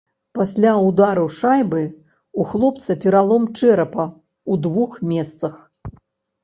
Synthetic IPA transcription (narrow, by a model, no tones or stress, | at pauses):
pasʲlʲawd̪aɾɐwʂajbɨ | uxlˠɔpt̪sɐpʲɛɾalˠɔmt͡ʂɛɾɐpɐ | ud̪vuxmʲɛst̪sɐx